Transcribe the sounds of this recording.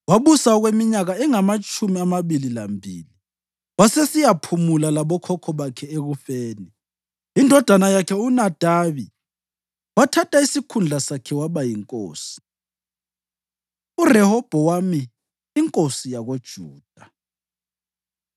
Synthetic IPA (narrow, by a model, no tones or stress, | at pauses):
waβusaɔɣwemiɲaɣaɛŋamat͡ʃʼʰumiamaβililambʱiːli | wasesijapʰumulalaβɔkʰɔkʰɔβakʰɛeɣufeːni | indʱɔd̥ʱanajakʰɛunad̥ʱaβi | watʰatʰaisikʰund͡ɮʱasakʰɛwaβajiŋkʼoːsi̥ | urɛhɔb̥ʱɔwamiː | ŋkʼosijaɣod̥ʒ̥ʱuːd̥ʱa